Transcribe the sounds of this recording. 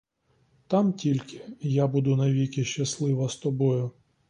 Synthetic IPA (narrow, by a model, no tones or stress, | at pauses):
t̪ɑmtʲilʲkɪjabud̪ʊnɐʋʲikʲɪʃt͡ʃɐslˠɪʋɐst̪ɔbɔjʊ